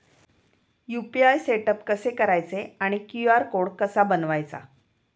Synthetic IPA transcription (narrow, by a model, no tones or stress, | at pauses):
jupiajseʈəpkəsekəɾajt͡seaɽ̃ikjuaɾkoɽkəsabənʋajt͡sa̰